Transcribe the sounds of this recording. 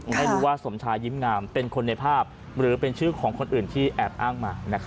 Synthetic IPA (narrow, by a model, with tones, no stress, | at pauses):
a˥˩jɾuː˦˥waː˥˩so˩˦mt͡ɕʰaː˧jiː˦˥mŋaː˧mpe˧nkʰo˧nːa˧jpʰaː˥˩p̚ | ɾɯː˩˦pe˧nt͡ɕʰɯː˥˩kʰɔː˩˦ŋkʰo˧nʔɯː˨˩nt̪ʰiː˥˩ʔɛː˨˩p̚ʔaː˥˩ŋmaː˧na˦˥kʰ